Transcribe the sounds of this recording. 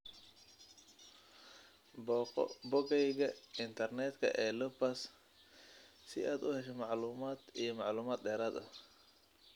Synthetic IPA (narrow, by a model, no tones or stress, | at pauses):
bɔːqɔ̰bɔɡɛjɣɐɪnt̪ʰɐrnɛːd̪kʰɐ̰ʔɛːlɔpɐs | sɪʔaːd̪ʊhɛʃɛmɑʕluːmaːd̪ijɞmɑʕluːmaːd̪ɖɛːɾaːd̪ɐ